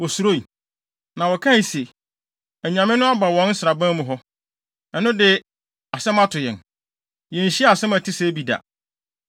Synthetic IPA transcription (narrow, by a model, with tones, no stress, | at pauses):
wɔ˨su˨ɾo˦i˨ | nã˨wɔ˨kʰã˦˨se˨ | æ˨ɲã˨mɪ̃˦nʊ̃˦a˦ba˨wɔ̃˦n̩˦sɪ˨ɾa˨bã˦mũ˨ɦɔ˦ | ɛ˨nʊ̃˦dɪ˦ | a˨sɛ̃˦mã˦tʰʊ˨jɛ̰˨n | jɛ̃˨n̩˨ɕi˦a˨sɛ̃˦mæ˨tʰi˦se˦bi˨da̰˨